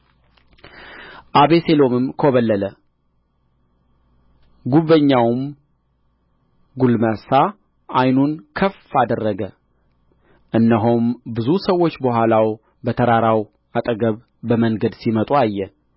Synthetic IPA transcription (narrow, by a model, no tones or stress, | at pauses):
ʔaβeselo̞mɨmkʰoβəlːələ | ɡuβəɲːawm | ɡulmasa | ʔajnunkʰəfad̪ərːəɡə | ʔɨnːəɦombɨzusəwːo̞t͡ʃːbəɦʷalaw | bət̪ʰəɾaɾaw | at̪ʼəɡəβː | əməŋɡəd̪simət̪ʼuajːɛ